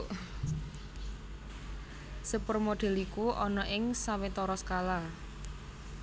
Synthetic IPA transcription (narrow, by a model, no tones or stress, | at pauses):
səpərmoɖ̪̥ɛ̤likuʔɔnɔʔɪŋsawet̪ɔɾɔskala